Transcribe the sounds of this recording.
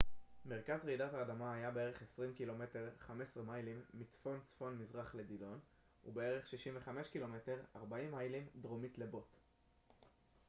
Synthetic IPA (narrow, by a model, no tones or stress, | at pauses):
me̞ʁkazʁidathaːdamaajabee̞ʁe̞χe̞sʁimkilo̞me̞te̞ʁχame̞sʁimajlimːit͡sfo̞nt͡sfo̞nmizʁaχle̞dilo̞n | ṵbe̞e̞ʁe̞χʃiʃimve̞χame̞ʃkilo̞me̞te̞ʁaʁbaimajlimdʁomitle̞bo̞t